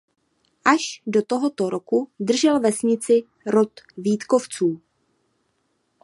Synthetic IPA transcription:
ʔaʃdo̞t̪o̞ɦo̞t̪o̞ɾo̞kud̪r̩ʒɛlvɛsɲɪt͡sɪ | ɾot̪viːt̪ko̞ft͡suː

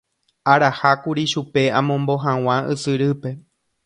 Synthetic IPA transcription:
aɾahakuɾiʃupe̞ãmõmbo̞ɦãw̃ãʔɨsɨɾɨpe̞

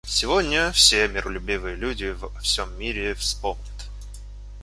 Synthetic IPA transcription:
sʲɪvodʲnʲəfsʲemʲɪrəlʲʊbʲivɨjəlʲudʲɪvɐfsʲomːʲiɾʲɪfspomnʲɪt̪

